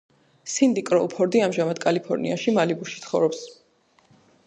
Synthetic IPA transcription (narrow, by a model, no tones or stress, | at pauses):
sind̪ikʼɾɔ̰upʰɔɾd̪iamʒamad̪kʼalipʰɔɾnḭaʃimalibuʃi̥t̪sʰχɔvɾɔps